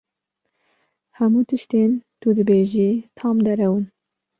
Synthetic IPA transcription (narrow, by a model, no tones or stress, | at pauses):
hɛmuːt̪ʰɨʃt̪eːnt̪ud̪ɨbeːʒiːt̪ʰɑːmd̪ɛɾɛwɨn